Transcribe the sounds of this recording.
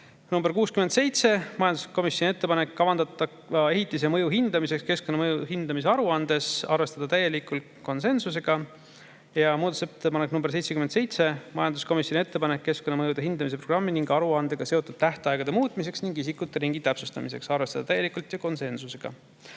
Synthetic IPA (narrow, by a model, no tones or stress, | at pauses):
numberkuːskymend̪se̞jt̪se̞mɑjɑnd̪u̥sko̞misjonʲiet̪ːe̞pɑne̞kːɑvɑnd̪̥ɑt̪ːɑ | e̞ɦit̪ˑːis̬e̞mɤjuɦind̪ɑmise̞kske̞sko̞nːɑmɤjuɦind̪̥ɑmis̬e̞ɑɾuɑnd̪̥e̞sɑrve̞st̪ɑd̪ɑt̪æjːe̞likːˑult̪ko̞nse̞nsus̬e̞ɡ̥ɑ | jɑmuːd̪ɑt̪uset̪ːepɑneknumbeɾse̞jt̪seymend̪se̞jt̪se̞mɑjɑnd̪usko̞misjonʲie̞t̪ːe̞pɑnekːe̞skonːɑmɤjud̪e̞ɦind̪ɑmis̬e̞pro̞ɡ̥rɑmːiniŋɡɑɾuɑnd̪̥e̞ɡ̥ɑse̞o̞t̪ːˑud̪̥̚t̪æht̪eɑeɡ̥ɑd̪e̞muːt̪ˑmise̞ksniŋɡisikːˑut̪ːˑe̞ɾiŋɡ̥it̪ːæpsust̪ɑmise̞̰ksɑrve̞st̪ɑd̪ɑt̪æjːe̞likːˑult̪jɑko̞nse̞nsuse̞ɡ̥ɑ̰